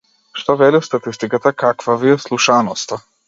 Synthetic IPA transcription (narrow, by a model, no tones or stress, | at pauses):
ʃt̪ɔvɛlist̪at̪ist̪ikat̪akakvavijɛslˠuʃanɔst̪a